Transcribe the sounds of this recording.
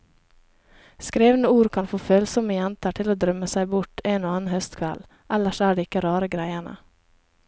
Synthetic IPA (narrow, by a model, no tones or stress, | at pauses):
skɾeːʋn̩əuːɾkʰɑnfoːføːlsɔməjɛnt̪əʈʰɪloːd̪ɾœməsæɪbʊʈeːnoːɑːn̩hœst̪kʰʋɛ̰l | ʔæləʃæːɖeːɪkəɾɑːɾəɡɾæɪəɳə̰